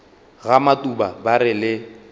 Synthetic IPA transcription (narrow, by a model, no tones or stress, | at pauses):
ɣamatʼubabaɾɪlɪ